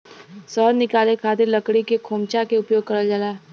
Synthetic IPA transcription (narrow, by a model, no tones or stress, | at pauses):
sɔːɾnɪkaːlekʰaːt̪ɪɾlɐkɽikekʰoːmt͡ʃakeʊpjoːɡ̚kɐɾəld͡ʒalaː